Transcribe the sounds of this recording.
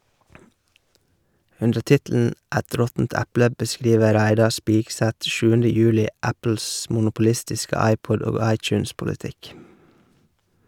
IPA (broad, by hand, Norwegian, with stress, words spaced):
ˈʉndə ˈtɪtl̩n̩ ˈæt ˈɾɔtn̩t ˈæplə bəˈskɾiːʋə ˈɾæɪdɑ ˈspiːɡsæt ˈʃʉːəndə ˈjʉːlɪ ˈæpl̩s mʊnʊpʊˈlɪstɪskə ˈɑɪˌpɔd ˈoːɡ ˈɑɪˌt͡ʃʉːnspʊləˌtɪk